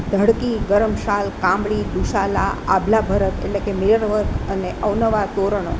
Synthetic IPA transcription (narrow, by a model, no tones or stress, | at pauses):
d̪ʱəɽkiɡəɾəmʃalkãmbɭid̪uʃala̰a̰bʱlabʱəɾət̪ḛʈlekemeɾʋəɾkəneʔəʋnəʋat̪oɾəɳ̃o